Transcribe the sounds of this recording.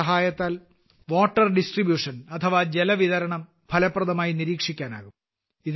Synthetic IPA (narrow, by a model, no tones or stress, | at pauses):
ɐɦaːjɐt̪ːaːl | ʋo̞ːʈːɐrɖisʈribjuːʂɐnɐt̪ʰːɐʋad͡ʑelɐʋiðɐɾɐɳɐm | pʰɐlɐpːrɐðɐmaːjiniɾiːkʂikʲːaːna̰ːɣum | ið